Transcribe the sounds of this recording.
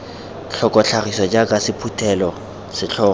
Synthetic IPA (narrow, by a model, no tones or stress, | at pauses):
ɬʰɔkʼɔɬʰarisɔd͡ʒʼakʼasɪpʰutʰɛlɔ | sɪɬʰɔːɔ